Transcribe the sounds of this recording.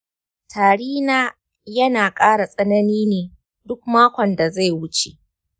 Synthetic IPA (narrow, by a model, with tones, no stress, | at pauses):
tʰaː˨ɽiː˦naː˦ | jɐ˦naː˨kʼaː˦ɽa˨sʼɐ˦nɐ˦niː˦neː˨ | dʊ˦k̚maː˦kʷɔ˨nda˨za˦˨jwʊ˦t͡ʃe˨ʔ